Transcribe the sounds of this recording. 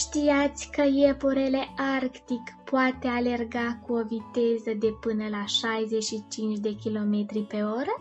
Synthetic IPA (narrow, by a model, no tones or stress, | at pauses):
ʃt̪iat̪sʲkəjepoɾele̞ʔarkt̪ikpoat̪e̞ale̞rɡakuo̞vit̪e̞zəd̪e̞pɨnəlaʃajze̞ʃit͡ʃint͡ʃd̪e̞kʲilo̞me̞t̪ɾipe̞o̞ɾə